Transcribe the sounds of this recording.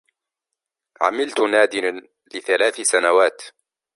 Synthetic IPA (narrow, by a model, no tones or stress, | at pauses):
ʕa̰mɪlt̪naːd̪ɪa | lɪθalaːθsanawaːt̪